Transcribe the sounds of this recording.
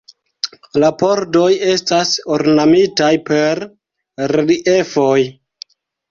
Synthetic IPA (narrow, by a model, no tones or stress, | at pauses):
lapo̞ɾdo̞je̞stasoɾnamitajpe̞ɾ | ɾɾiʔefoj